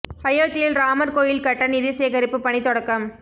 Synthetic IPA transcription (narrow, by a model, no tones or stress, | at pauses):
hɐjoːt̪ːɪjɪlɾaːmɐɾkoːjɪlkɐʈːɐnɪðɪɐseːɣɐɾɪpːɯpɐɳit̪ːɔɽɐkːɐm